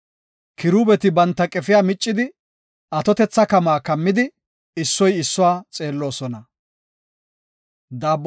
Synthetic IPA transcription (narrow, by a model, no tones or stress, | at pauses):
kɪɾuːbɛt̪ɪbɐnt̪ːɐkʼɛfɪjaːmɪt͡ʃʼːɪd̪ɪ | ɐt̪ɔt̪ɛt͡sːɐkɐmaːkɐmːɪd̪ɪ | ɪsːɔjɪsːʊwaːt͡sʼe̞ːlːo̞ːsɔnɐ | d̪aːbː